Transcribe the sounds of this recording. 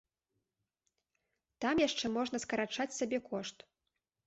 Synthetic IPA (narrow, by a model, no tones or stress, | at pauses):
t̪amjaʂt͡ʂɛmɔʐn̪ɐskɐɾat͡ʂat͡sʲsʲabʲɛkɔʂt̪